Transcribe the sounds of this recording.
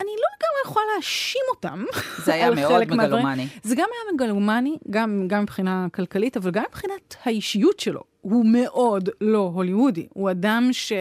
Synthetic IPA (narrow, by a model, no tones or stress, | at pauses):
anilo̞eɡamʁejeχlaleaʃimo̞ta̰mzajalelekmealʁinizeɡamajameɡalumaniɡamɡamːipχinakalkalitavalɡamːipχinathaiʃijutʃelo̞̰ | hume̞ʔo̞dlo̞ɦoliudḭhuadamʃe